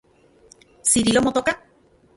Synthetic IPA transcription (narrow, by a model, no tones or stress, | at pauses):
siɾilomot̪oka